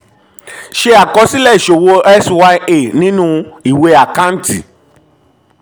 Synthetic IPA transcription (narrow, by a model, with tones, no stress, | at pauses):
ʃe˧a˨kɔ˧˦si˦lɛ˦˨i˨ʃo˨wo˧ɛ˦swa˧˦e˦˨nĩ˦nũ˦i˨we˧˦a˨kã˦n̩˦ti˨